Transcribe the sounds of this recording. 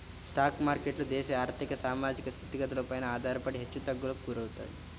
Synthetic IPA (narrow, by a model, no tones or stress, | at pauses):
sʈaːkmaːɾkeʈlud̪eːʃeaːɾt̪ikɐsaːmaːd͡ʒikɐst̪ʰit̪ːiɡɐt̪ɐlupaːjnɐaːd̪ʱaːɾpɐɽiɦet͡ʃːut̪ɐɡulokkuɾɐʋt̪a̰ːt̪i